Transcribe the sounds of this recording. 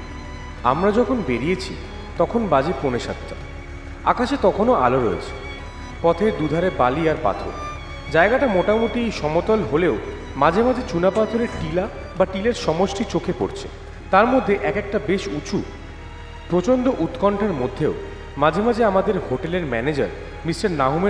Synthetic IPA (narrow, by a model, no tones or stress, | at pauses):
a̰mɾad͡ʑɔkʰonbeɾiet͡ɕʰḭ | t̪ɔkʰonbad͡ʑeponeʃa̰t̪ːa | a̰kaʃet̪ɔkʰonoʔa̰loɾoḛt͡ɕʰe̥ | pɔt̪ʰeɾd̪ud̪ʱaɾebaliaɾpa̰t̪ʰo̰ɾ | d͡ʑaeɡaʈamoʈamot̪iejʃɔmot̪ɔlɦoleo | mad͡ʑʱemad͡ʑet͡ɕunapat̪ʰoɾeʈila | baʈileɾʃɔmoʃʈit͡ɕokʰepo̰ɾt͡ɕʰe | t̪aɾmod̪ʱːeʔɛkek̚ʈabeʃut͡ɕʰu | pɾot͡ɕond̪oʔut̪kɔɳʈʰaɾmod̪ʱːeo | mad͡ʑʱemad͡ʑeamad̪eɾhoʈeleɾmɛned͡ʑa̰ɾ | misʈaɾnaɦume